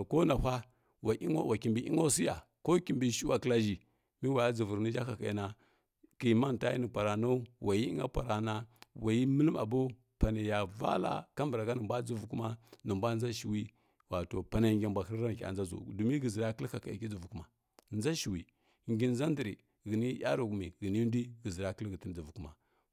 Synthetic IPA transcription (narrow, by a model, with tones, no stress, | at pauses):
ko˦na˨hʷa˦ | wa˨ʔi˦ŋo˦wa˨ki˨mbi˨ʔḭ˦ŋo˦si˦ja̰˨ | ko˦ki˨mbi˨ʃi˦wa˨kla˦ʒi˨ | mi˦wa˨ja˦d͡zu˨vu˨ɾni˦d͡ʒa˦ka˨ka˨ji˨na˨ | ki˨ma˦n˨ta˦ji˦ni˨pa˨ɾa˨no˦wʔa˨ji˦ḭ˦ŋa̰˦pa˨ɾa˨na˦wa˨ji˦mə˦lə˦ma̰˨bo˦ | pa˨na˨ja˨va̰˦la̰˨ka˦mbɾa˨ɡa˦nə˨mbʷa˦d͡zu˦vu˨ku˦ma˦nə˨mbʷa˦n˦a˦ʃi˨wi˦ | wa˨to˨pa˨na˨ŋɡʲa˨mbʷa˨kə˦ɾɾa˦n˨ka̰˨nza˦zṵ˨du˨mi˦ɡə˨zi˨ɾa˦kə˦lka˨ka˨i˨ki˦d͡zu˨vu˨ku˦ma˨ | n˦za˦ʃi˨wi˨ | ŋɡi˨n˨˦za˦ndi˨ɾi˨ | ɡi˨ni˦ja̰˦ɾu˨ɡu˨mi˨ɡə˨ni˦n˦di˦ɡə˨zi˨ɾa˦kə˦lɡə˨ti˦n˦d͡zu˨vu˨ku˦ma˨